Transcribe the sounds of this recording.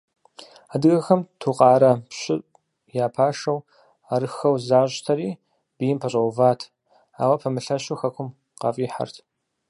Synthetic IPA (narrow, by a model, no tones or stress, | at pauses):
adɨɣɐxɐmtʰuːqʼɑːɾɐpɕɪʔ | jaːpʰaːʂɐw | aɾɨxɐwzaːɕtʰɐɾiː | b̥ɨjɪmpʰɐɕʼɐwvaːtʰ | a̰ːwɐpʰɐmɨɬɐʃuxɐkʷʰʊm | qɐ̰fʼiːħa̰rtʰ